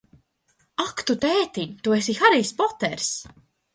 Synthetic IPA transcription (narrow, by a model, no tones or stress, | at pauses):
akt̪ut̪ɛːt̪iɲt̪uesixaɾiːspɔt̪ɛ̰ɾs